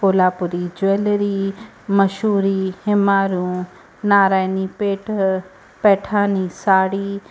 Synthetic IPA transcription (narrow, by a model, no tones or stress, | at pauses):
poːlaːpʊɾid͡ʒʊeːlɾi | mɐʃuːɾiːhɪmaːɾũ | naːɾaːjnipeːʈʰ | pɛːʈʰaːniːsaːɽiː